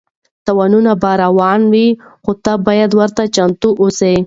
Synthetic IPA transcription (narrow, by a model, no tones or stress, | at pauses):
t̪awɑnunabɑɾawɑnwixot̪abɑjad̪wəɾt̪at͡ʃant̪uʔose